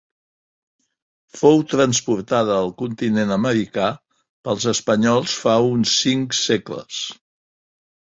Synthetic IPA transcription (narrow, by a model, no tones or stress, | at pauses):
fowt̪ɾənspuɾt̪aðəːlˠkunt̪inenəməɾika | pəlˠzəspəɲɔlˠsfaunsiŋkseklə̰s